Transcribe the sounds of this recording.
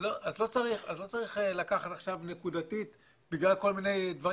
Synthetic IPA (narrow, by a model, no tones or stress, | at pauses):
loʔazlo̞t͡saʁiχa̰zlo̞t͡saʁiχelakaχat̪aχʃavne̞kud̪atit̪ | biɡlalko̞lmine̞jd̪vaʁ